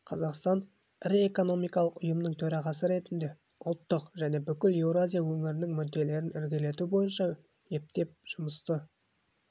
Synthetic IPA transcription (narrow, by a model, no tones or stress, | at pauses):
qʰɑzɑqst̪ɑn | ɪɾieko̞no̞mijkɑlˠəqʊjəmnəɴt̪ʰɵɾɑʁɑsəɾe̞t̪ɪnd̪e̞ | ʊlˠt̪ːəqʒæne̞bʏkʲɪle̞wɾoazʲijawɵŋɪɾɪnɪŋmʏd̪ːe̞le̞ɾɪnɪɾɡʲele̞t̪ubo̞jənʃɑ | e̞p̚t̪e̞p̚ʒ̥ʊməst̪ə